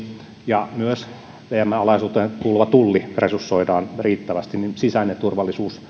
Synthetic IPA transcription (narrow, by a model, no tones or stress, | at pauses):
jɑmyøs | ʋeæmːæɑlɑisuːt̪ekulʋɑt̪ulːiresusːoidɑːnriːt̪ːæʋæst̪inninsisænet̪urʋɑlːisuːs